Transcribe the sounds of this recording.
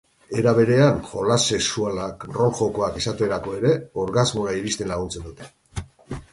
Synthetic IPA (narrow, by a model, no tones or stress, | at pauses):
e̞ɾaβ̞e̞ɾe̞anʝo̞lase̞ksualakro̞lʝo̞ko̞akisat̪ue̞ɾako̞e̞ɾe̞o̞ɾɣazmoɾaiɾist̪enlaɣ̞unt͡se̞nd̪ut̪e̞